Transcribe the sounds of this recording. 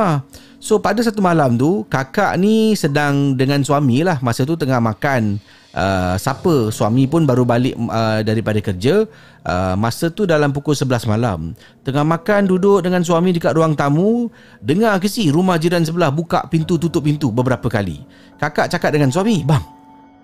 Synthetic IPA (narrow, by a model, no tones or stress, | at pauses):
a | sopadəs̬at̪umalamt̪ukaka̰ʔnisədaŋdəŋãnsuamĩlahmasət̪̬ut̪əŋahmakan | ʔə̰sapəsua̰mĩpʊnbaɾubalɪʔədaɾipadakərd͡ʒə | ʔə̰ːasət̪udalamp̬ukʊlsəbəlasma̰la̰m | t̪əŋahmãkandudʊʔ̚dəŋans̬uamĩdəkaʔ̪ɾuaŋt̪amu | dəŋak̬əsiɾumahd͡ʒiɾans̬əbəlahbuka̰ʔpint̪ut̪ut̪ʊʔ̚pint̪ubəbəɾapəkalḭ | kakaʔt͡ʃakat̪̚dəŋansuamibaŋ